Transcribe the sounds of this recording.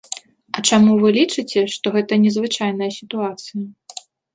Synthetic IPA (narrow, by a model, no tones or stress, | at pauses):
ɐt͡ʂamuvɨlʲit͡ʂɨt͡sʲɛʂt̪ɔɣɛt̪ɐnʲɛzvɨt͡ʂajnɐjɐsʲit̪uat̪sɨjɐ